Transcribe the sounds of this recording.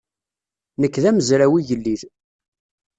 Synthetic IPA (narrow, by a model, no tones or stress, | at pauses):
nəkːðæməzɾæwijəlːið